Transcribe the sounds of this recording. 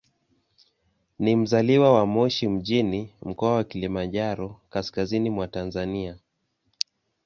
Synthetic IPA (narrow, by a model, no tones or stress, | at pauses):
nim̩zaliwawamɔʃim̩ʄinim̩kɔawakilimanʄaɾɔkaskazinimwatanzania